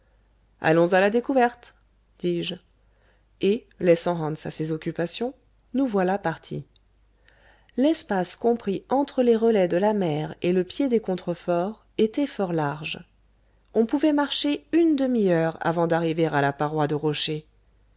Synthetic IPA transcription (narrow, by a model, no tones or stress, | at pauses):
a̰lɔ̃zalad̪ekuvɛʁt̪ | d̪̥iʒ | e | lɛsɑ̃ɦɑ̃nsasezɔkʲypasjɔ̃ | nuvwalapaʁt̪ʰḭ | lɛspaskɔ̃pχiɑ̃t̪χəleʁəlɛd̪əlamɛʁeləpjed̪ekɔ̃t̪χəfɔʁ | et̪ɛfɔʁlaʁʒ | ɔ̃puvɛmaʁʃeynd̪əmijœʁa̰vɑ̃d̪aʁiveʁalapaʁwad̪əʁɔʃe